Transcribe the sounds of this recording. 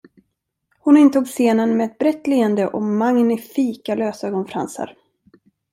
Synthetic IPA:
hʊnɪnt̪uːɡseːnənmɛɛt̪̚bɾɛt̪ːliːənd̪əʔɔmaŋnɪfiːkaløːsœɡɔnfɾa̰nsə̰ɾ

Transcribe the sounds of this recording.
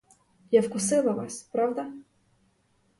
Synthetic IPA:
jawkʊsɪlˠɐʋɑ̰sʲpɾɑwd̪ɐ

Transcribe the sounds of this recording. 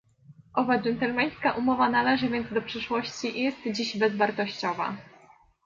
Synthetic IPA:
ʔɔvad͡ʒɛnt̪ɛlmɛj̃skaʔumɔvanalɛʐɘvʲjɛnd̪zd̪ɔpʂɘʂwɔɕt͡ɕiʔjɛst̪d͡ʑiʑbɛzvaɾt̪ɔɕt͡ɕɔva̰

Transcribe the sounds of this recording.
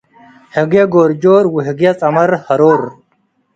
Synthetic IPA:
heɡeɡoːɾd͡ʑoːɾwuɦeɡjɐt͡sʼɐmɐɾhɐɾoːɾ

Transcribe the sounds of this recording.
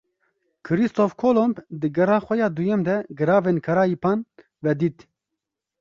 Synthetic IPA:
kʰɨɾist̪ofkʰoːlombd̪ɨɡɛɾɑːxʷɛjɑːd̪ujɛmd̪ɛɡɨɾɑːveːnkʰɐɾaːjipʰɑːn | vɛd̪iːt̪

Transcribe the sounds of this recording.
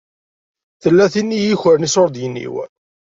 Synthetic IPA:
θəlːæθinːijiçəɾnisʊɾˤd̪jənːḭw

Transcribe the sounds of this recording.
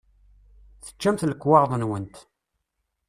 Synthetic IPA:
θə̥t͡ʃːæmθləkːwɑʁðˤənwənt̪

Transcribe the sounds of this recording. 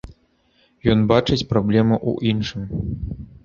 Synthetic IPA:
jɔnbat͡ʂɨt͡sʲpɾablʲɛmuʔṵʔinʂɨm

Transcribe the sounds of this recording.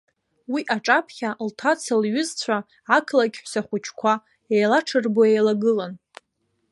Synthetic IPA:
wiʔaʈ͡ʂʼapʰχʲaltʰat͡sʰalɥʊzt͡sʷʰa | ʕakʰlakʲħʷsaχʷʊt͡ʃʰkʷʰa | ejlaʈ͡ʂʰɨrboejlaɡɨlan

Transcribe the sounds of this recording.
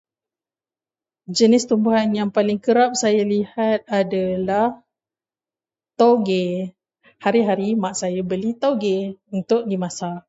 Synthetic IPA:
d͡ʒənɪst̪umbuɦanjaŋpalɪŋkəɾap̚sajalihat̪̚adalah | t̪oɡe | haɾiɦaɾimaʔsajabəlit̪oɡeunt̪ʊk̚dimãsa

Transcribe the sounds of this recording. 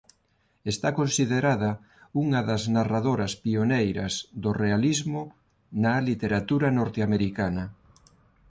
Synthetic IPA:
est̪akonsiðeɾaðɐ | uŋɐðɐznaraðoɾɐspionejɾɐzðorealizmʊ | nɐlit̪eɾat̪uɾɐnoɾt̪eameɾikanɐ

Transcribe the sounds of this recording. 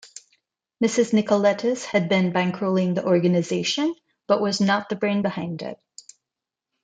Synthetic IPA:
mɪsɨznɪkəlɛɾɨshɨd̚bɪ̃nbæ̃ŋkʰɹ̥oʊlˠɪ̃ŋðiʔɔɹɡɨnɨzeɪʃɨ̃n | b̥ʌʔwʌznət̪̚ðɨbɹẽɪ̃nbəhãɪ̃ndɪ̰t̚

